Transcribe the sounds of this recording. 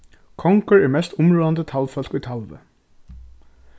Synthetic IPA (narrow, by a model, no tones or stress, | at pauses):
kʰɔŋkəɹɛːɹmɛst̪ʊmɹuːɑnd̪ət̪ʰalfœlkiːt̪ʰalʋə̰